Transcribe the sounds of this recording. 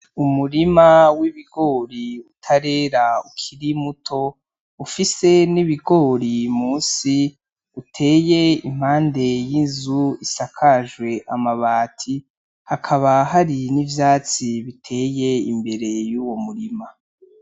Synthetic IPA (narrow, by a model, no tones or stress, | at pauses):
umuɾimawiβiɡo̞ːɾiutʰaɾe̞ːɾaukʰiɾimutʰo̞ | ufise̞niβiɡo̞ːɾimuːnsi | utʰe̞ːje̞im̥haːnde̞jinzuisakʰaʒwe̞ʔamaβaːtʰi | hakʰaβaɦaɾinivjaːt͡siβitʰe̞ːje̞imbe̞ɾe̞juwo̞muɾima